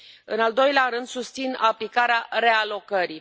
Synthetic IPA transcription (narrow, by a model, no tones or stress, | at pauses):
ɨ̰nald̪o̞jleaɾɨnd̪sust̪sinaplikaɾeaɾe̞alo̞kəɾi